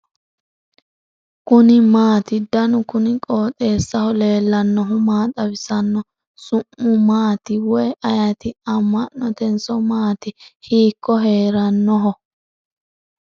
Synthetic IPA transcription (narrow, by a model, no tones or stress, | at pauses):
kʊnɪmaːt̪ɪd̪ɐnʊkʊnɪkʼo̞ːt̪ʼe̞ːsːɐhɔle̞ːlːɐnːɔɦɔmaːt̪ʼɐbɪsɐnːɔ | sʊmːʊmaːt̪ɪwɔjʔɐjɐt̪ɪɐmːɐnːɔt̪ɛnsɔmaːt̪ɪhiːkːɔɦe̞ːɾɐnːɔɦɔ